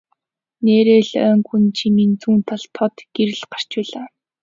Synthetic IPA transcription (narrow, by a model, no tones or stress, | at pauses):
neːɾeːɮœːŋxunt͡ɕʰimiːnt͡suːnt̪ʰaɬt̪ʰɔt̪ɡ̥eɾɘ̆ɮɢar̥t͡ɕpæːɮaː